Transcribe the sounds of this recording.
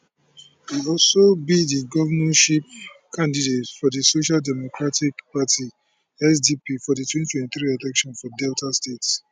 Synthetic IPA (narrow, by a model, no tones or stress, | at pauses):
wiɔlsobidiɡɔvanãʃip̚kʰãndidetfɔdisoʃaldɛmokɹatʰikpatʰi | ɛsdipifɔditwɛ̃ntʰwɛ̃ntiθɾiɛlɛkʃɔ̃nfɔdɛltʰastets